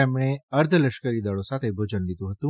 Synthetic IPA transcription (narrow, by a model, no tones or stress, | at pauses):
emɳ̃eəɾd̪ʱələʃkəɾid̪əɭosat̪ʰebʱod͡ʒənlid̪ũɦət̪ũ